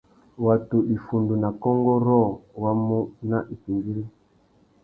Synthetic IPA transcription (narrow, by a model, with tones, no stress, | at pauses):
wa˨tu˨ɗi˨fu˨ndu˨na˨kɔ˦ŋɡɔ˦ɾɔ˦˨wa˦mu˦na˦ʔi˨ki˨ŋɡi˦ɾi˦